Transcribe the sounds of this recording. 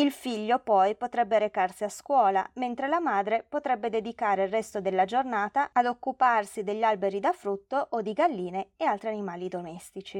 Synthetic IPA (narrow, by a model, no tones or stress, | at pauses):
ilfiʎːopɔjpot̪ɾɛbːeɾekarsiaskwɔːla̰ment̪ɾelamaːd̪ɾepot̪ɾɛbːed̪ed̪ikaːɾeilrɛst̪od̪elːad͡ʒornaːt̪aːd̪okːuparsid̪eʎːalbeɾid̪afɾut̪ːoʔod̪iɡalːiːneealt̪ɾianimaːlid̪omɛst̪it͡ʃi